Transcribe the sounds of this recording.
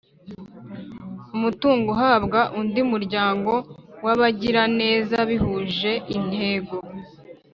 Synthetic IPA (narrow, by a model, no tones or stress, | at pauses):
umutuːŋɡoɦaːbɡaʔundiumuɾɟaːŋɡo̞waβaɟiɾane̞ːzaβihuʒe̞ʔin̥he̞ːɡo̞